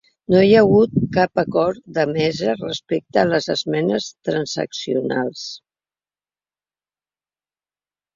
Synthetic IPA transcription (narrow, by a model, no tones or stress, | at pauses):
nojəɣut̪̚kapəkɔɾd̪əmɛzərəspek̚t̪ələzə̰zmɛnəst̪ɾənzə̰ksiuna̰lˠs